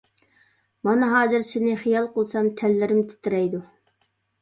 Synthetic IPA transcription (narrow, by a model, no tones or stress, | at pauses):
mɑnɑɦɑːzɨɾsɪnɪχijɑlˠqʰəlˠsɑmt̪ʰɛlːɪɾɪmt̪ʰɪ̥t̪ʰɪɾɛjd̪u